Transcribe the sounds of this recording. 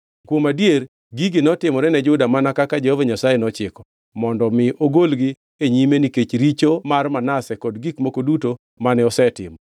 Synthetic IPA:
kwomadjer | ɡiɡɪnɔtɪmɔɾɛnɛd͡ʒʊdamanakakad͡ʒɛhovaɲasajenɔt͡ʃɪkɔ̥ | mɔndɔmɪʔoɡolɡɪ | eɲimeniket͡ʃɾit͡ʃomarmanasɛkɔdɡikmokoduto | manɛɔsɛtɪ̰mɔ

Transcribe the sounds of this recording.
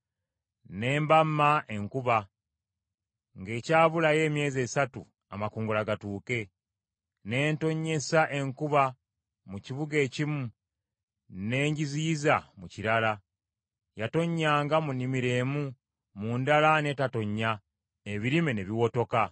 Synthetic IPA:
ne̞ːmbamːaʔe̞ŋkuβa | ŋɡe̞ːcaːβulaje̞ːmje̞ːze̞ːsatu | a̰makuːŋɡulaɡatuːke̞ | ne̞ːnto̞ɲːe̞saʔe̞ŋkuβa | muciβuɡe̞ːcimu | ne̞ːɲɟiziːzamuciɾala | jato̞ɲːaːŋɡamunːimiɾe̞ːmu | muːndalane̞ːtato̞ɲːa | eβiɾimeneβiwo̞to̞ka

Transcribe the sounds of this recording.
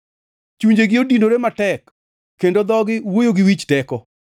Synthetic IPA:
t͡ʃuɲd͡ʒeɡɪodinoɾematɛkː | endod̪ɔɡɪwojoɡɪwit͡ʃtɛkɔ

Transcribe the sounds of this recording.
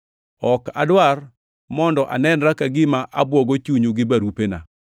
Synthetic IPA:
ɔka̰dwar | mɔndɔʔa̰nɛnɾakaɡɪmaʔabwɔɡot͡ʃuɲuɡɪbaɾupena̰

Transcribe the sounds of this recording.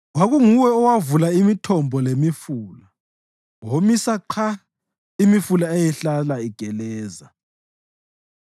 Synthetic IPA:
waɣuŋuwɛɔwavulaimitʰɔmbʱɔlemifuːla | womisaǃʰa | imifulaejɛɬalaiɡ̥ʱɛlɛːza

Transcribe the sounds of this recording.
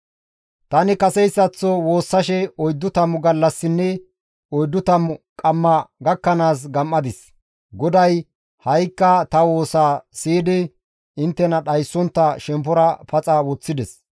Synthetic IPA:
t̪ɐnɪkɐsɛjsːɐt͡sːɔwo̞ːsːɐʃɛɔjd̪ːʊt̪ɐmʊɡɐlːɐsːɪnːɛ | ɔjd̪ːʊt̪ɐmʊkʼɐmːɐɡɐkːɐnaːs̬ɡɐmːɐd̪ɪs | ɡɔd̪ɐj | hɐjkːɐt̪ɐwo̞ːsaːsiːd̪ɪ | ɪnt̪ːɛnɐɗɐjsːɔnt̪ːɐʃɛmp̬ɔɾɐpʰɐt͡sʼɐwɔt͡sːɪd̪ɛs

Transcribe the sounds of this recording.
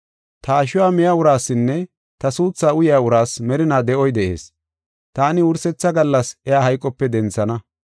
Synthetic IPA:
t̪ɐːʃʊwaːmɛjaʊɾaːsːɪnːɛ | t̪ɐsuːt͡sːaːʊjjaːwʊɾaːsmɛɾɪnaːd̪ɛʔɔjd̪ɛʔe̞̰ːs | t̪aːnɪʊɾsɛt͡sːɐɡɐlːɐsɛjaːhɐjkʼːɔpːɛd̪ɛnt͡sːɐnɐ

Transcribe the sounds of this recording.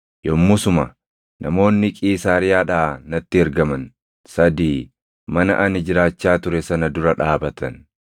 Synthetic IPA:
jɔmːʊsʊmɐ̰ | nʔɐmo̞ːnːɪkʼiːsaːɾɪjaːᶑaːnɐt̪ːɪhɛɾɡɐmɐn | sɐd̪iː | mɐnɐ̰ʔɐnɪd͡ʒɪɾaːt͡ʃːaːt̪ʊɾɛsɐnɐd̪ʊɾɐᶑaːbɐt̪ɐn

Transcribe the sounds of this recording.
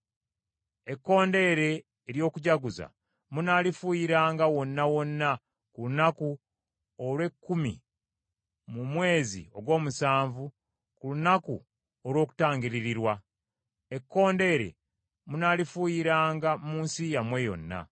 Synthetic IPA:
e̞kːo̞ːnde̞ːɾe̞ː | ɾjo̞ːkuɟaɡuza̰ | munaːlifuːjiɾaːŋɡawo̞nːawo̞nːa | kulunaku | olwe̞kːumḭ | mumwe̞ːzḭo̞ɡwo̞ːmusaːɱvu | kulunaku | olwo̞ːku̥taːŋɡiɾiɾiɾwa | e̞kːo̞ːnde̞ːɾe̞̰ | munaːlifuːjiɾaːŋɡamuːnsijamwe̞jo̞̰nːa̰

